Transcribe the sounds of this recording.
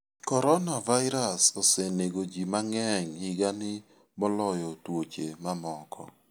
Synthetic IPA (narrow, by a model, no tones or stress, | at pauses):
kɔɾɔnavaɪɾasɔseneɡod͡ʒimaŋɛɲhɪɡanɪ | mɔlɔjɔtwot͡ʃemamɔkʰɔ̰